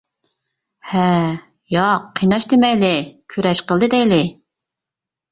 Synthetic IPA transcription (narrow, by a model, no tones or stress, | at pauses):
hɛ | jɑqʰːijnɑʃd̪ɪmɛjlɪkʲʰøɾɛʃqəlˠd̪ɨd̪ɛjlɪ